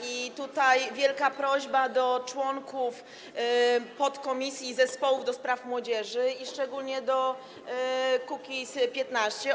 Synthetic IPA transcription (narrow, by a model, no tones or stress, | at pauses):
it̪ut̪ajvʲjɛlkapɾɔʑbad̪ɔt͡ʂwɔŋkuf | pɔt̪kɔmʲisʲjizɛspɔwuvd̪ɔspɾafmwɔd͡ʑɛʐɘiʂt͡ʂɛɡulɲɛd̪ɔ | kukʲispʲjɛt̪naɕt͡ɕɛ